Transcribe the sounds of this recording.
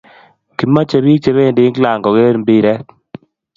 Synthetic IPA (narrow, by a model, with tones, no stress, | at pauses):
ki˨ma˦t͡ʃe˨βi˦kt͡ʃe˨˦βe˦˨ndɪ˦kla˨ŋɡɔ˨ɡe˦ɾmbi˦ɾɛ˦